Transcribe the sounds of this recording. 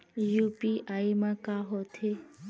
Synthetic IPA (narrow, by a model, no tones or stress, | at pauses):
jupiʔaimãkaɦɔt̪ʰe